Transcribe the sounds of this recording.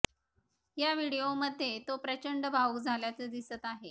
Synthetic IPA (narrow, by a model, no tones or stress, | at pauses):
jaʋiɽijoməd̪ʱːjet̪opɾət͡ɕəɳɖəbʱawɡd͡zʱaljat͡səd̪isət̪aɦe